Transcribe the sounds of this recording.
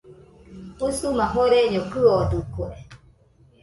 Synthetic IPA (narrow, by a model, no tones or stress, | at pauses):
usumãɦoɾeɲokɨod̪ukwe